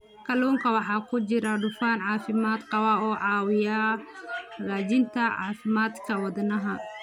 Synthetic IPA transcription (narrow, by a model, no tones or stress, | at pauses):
kʰɐluːŋkʰɐwɑħɑːkʰʊt͡ʃɪɾɐɖʊfaːnʕɑːfɪmaːd̪qɑwɐɔːʕɑːwɪjaː | raːt͡ʃɪnt̪ʰɐʕɑːfɪmaːd̪kʰɐwɑd̪nɐɦɐ